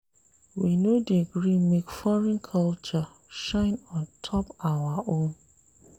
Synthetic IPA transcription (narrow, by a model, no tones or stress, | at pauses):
winodiɡɾimekfɔɹɛ̃nkʰalt͡ʃa | ʃãɪ̃nɔ̃ntʰɔpawaʔõm